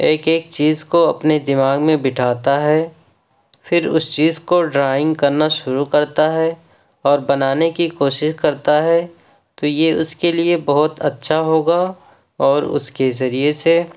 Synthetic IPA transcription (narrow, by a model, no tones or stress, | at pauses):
eːkeːk̚t͡ʃiːzkoɐpned̪ɪmaːɡmẽbɪʈʰaːt̪aɦɛː | fʰɪɾʊ̰st͡ʃiːzkoɖɾaːɪ̃ŋɡkɐɾnaʃʊɾukɐɾt̪aɦɛ | ɔːɾbɐnaːnekikoːʃɪʃkɐɾt̪aɦɛ | t̪ojeʊskeliebɐɦʊt̪ɐtːʃʰaɦoːɡa | ɔːɾʊ̰skezɐɾiese